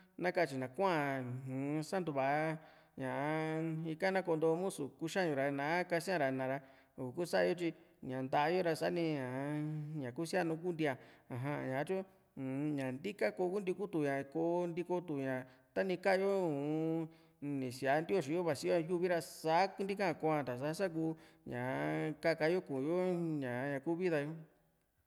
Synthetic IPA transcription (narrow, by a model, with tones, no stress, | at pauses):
nã˦ka˦˧˨t͡ʃi˧nã˨kʷã˦a˨ũ˨˦sa˦nd̪u˧βa˧˨˧ | ɲã˨˧i˧ka˦nã˦ko˧nd̪o˧mũ˦su˨ku˦ʃa˦ɲũ˧ɾa˧nã˨˦ka˧sĩ˦ã˧ɾa˧nã˨ɾa˧ | u˨ku˦sa˦˧o˧t͡ʃi˧ɲã˨nd̪a˧ʔa˧jo˦ɾa˧sa˦nĩ˧ɲã˨˧ɲã˨ku˦si˦a˦nũ˧˦k̬u˦nd̪i˧a˧ã˨ɦã˧ɲã˨˧˦t͡ʃu˦˨ | ɲã˨nd̪i˦ka˦ko˧ku˦nd̪i˧ku˦t̪u˨ɲã˨koː˧nd̪i˧ko˧t̪u˨ɲã˨t̪a˦nĩ˧ka˦˧jo˦u˨ | nĩ˨si˧a˨˧˦nd̪i˦o˧ʃi˨˧jo˦βa˧˨si˧˦jo˦˧ju˧βi˦ɾa˧sa˦knd̪i˦kã˦˧˨kʷã˧t̪a˨sa˧˦sa˦k̬uː˧˦ɲã˨ka˦ka˧jo˦kũ˨jo˦ɲã˨˧ɲã˨kuː˦βi˦ða˧jo˦